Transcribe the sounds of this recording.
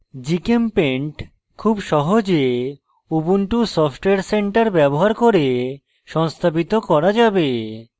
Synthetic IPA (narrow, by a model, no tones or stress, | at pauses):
d͡ʑikempeɳʈ | kʰubʃɔɦod͡ʑe | ubunʈusɔfʰʈoeaɾseɳʈaɾbɛboɦaɾkoɾe | ʃɔŋst̪ʰabit̪okɔɾad͡ʑabe